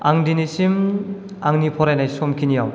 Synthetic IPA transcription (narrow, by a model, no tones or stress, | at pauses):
aŋdinisim | aŋnipʰɔɾajnajsɔmkʰinijaw